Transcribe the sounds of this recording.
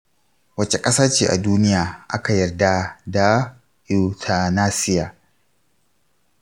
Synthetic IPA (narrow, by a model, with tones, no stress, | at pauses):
wɐ˦t͡ʃe˨kʼɐ˦saː˦t͡ʃeː˨ʔa̰˨duː˦nɪ˦jaː˨ʔa˦ka˨jɐ˨rda˨da˨ | ju˨tʰa˨naː˦sɪ˦jaː˨